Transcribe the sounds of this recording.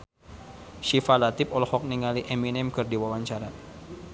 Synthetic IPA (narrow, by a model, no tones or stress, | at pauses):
ʃifalat̪ɪpɔlɔhɔk̚niŋaliʔeminɛmkɨrdiwawaɲt͡ʃaɾa